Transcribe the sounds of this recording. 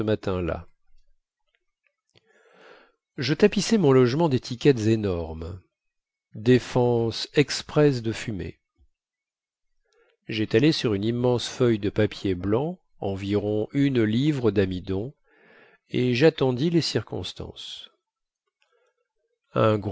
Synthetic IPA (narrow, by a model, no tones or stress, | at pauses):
əmat̪ɛ̃la̰ | ʒət̪apisɛmɔ̃lɔʒmɑ̃d̪et̪ʰikʲɛt̪zenɔʁm | d̪efɑ̃sɛkspχɛs̬d̪əfymḛ | ʒɛt̪alesyʁynimːɑ̃sfœjd̪əpapjeblɑ̃ | ɑ̃viʁɔ̃ynlivʁəd̪amid̪ɔ̃ | eʒat̪ɑ̃d̪ilesiʁkɔ̰̃st̪ɑ̰̃s | ɛ̃ɡ